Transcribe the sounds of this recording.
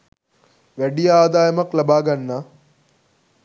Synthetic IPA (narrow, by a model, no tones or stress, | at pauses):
ʋæɖijəaːd̪aːjɐmɐklabaːɡanːaː